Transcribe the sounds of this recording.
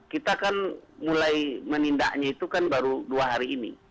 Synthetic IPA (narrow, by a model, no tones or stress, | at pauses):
kit̪akanmulajməninda̰ʔɲait̪ukanbaɾuduaɦaɾiːnḭ